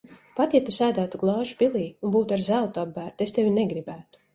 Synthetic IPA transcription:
pat̪ʲjat̪ːusæːd̪æːt̪uɡlˠɑːʒupilˠiːunbuːt̪aɾzælˠt̪uabːæːɾt̪est̪evʲineɡɾibæːt̪u̥

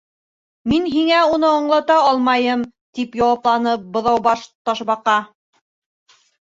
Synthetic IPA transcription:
minɦiŋæunɤɑɴlˠɑt̪ɑɑlˠmɑjɤmt̪ipjɑwɑplˠɑnɤp̚bŏðɑwbɑʃt̪ɑʃβɑqɑ

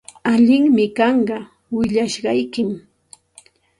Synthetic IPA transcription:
aʎɪŋmɪkɑɴɢɑ | wɪʎaʃɢɑjkɪm

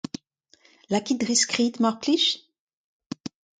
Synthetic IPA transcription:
lakʲid̪ʁiskχit̪mɔʁkliʃ

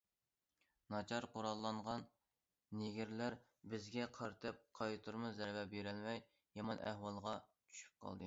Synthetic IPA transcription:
nɑt͡ʃʰɑɾqoɾɑlˠːɑɴʁɑnː | eɡʲiɾlæɾ | bɪzɡʲɛqʰɑɾt̪ʰɛp̚qʰɑjt̪ʰuɾmuzɛɾbɛpjeɾɛlmɛj | jɑmɑnʔæ̰hwɑlˠʁɑt͡ʃʰy̥ʃy̥p̚qʰɑ̰lˠd̪ɨ

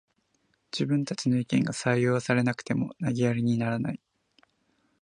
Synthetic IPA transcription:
d͡ʑɨbɯ̟̃nt̪at͡ɕino̞ikẽ̞ŋɡasaijo̞ːsaɾe̞nakɯ̟̥t̪e̞mo̞̰naɡʲiaɾʲiɲ̟inaɾana̰i

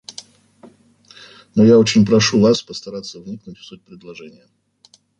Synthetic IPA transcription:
nojaot͡ɕɪnʲpɾɐʂuvaspəst̪ɐɾat̪sːəvnʲiknʊtʲfsut̚ʲpɾʲɪd̪lˠɐʐɛnʲɪjə

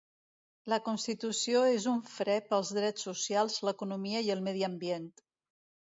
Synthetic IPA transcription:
ləkunst̪it̪usioezuɱfɾɛpəlˠzðɾɛt͡sːusjalˠzləkunumiəiəlˠmɛðiəmbjent̪

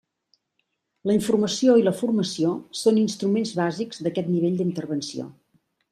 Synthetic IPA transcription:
ləiɱfurməsioiləfurməsiosoninst̪ɾumenzβazikzd̪əkɛt̪niβ̞eʎd̪int̪ərβənsio̰

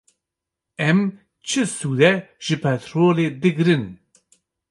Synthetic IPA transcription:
ɛm | t͡ʃʰɨsuːd̪ɛʒ̥ɨpʰɛt̪ʰɾoːleːd̪ɨɡɨɾɨn

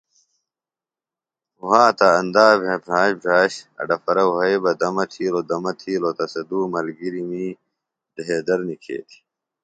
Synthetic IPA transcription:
uɦaːt̪aɐnd̪aːbʱɐbʱaːɕbʱaːɕɐ̰ɖɐfɐɾɐuɦɐjbɐd̪ɐmɐt̪ʰiːlod̪ɐmɐt̪ʰiːlot̪ɐsɐd̪uːmɐlɡiɾimiː | d̪ɐɦeːd̪ɐɾnikʰḛːt̪ʰi̥

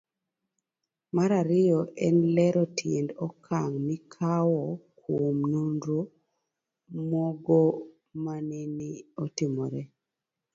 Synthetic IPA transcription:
maɾaɾɪɔʔɛnlɛɾɔtʰjendɔkʰaŋmikʰawɔkwomnundɾu | mɔɡɔ | maneniɔtɪmɔɾɛ

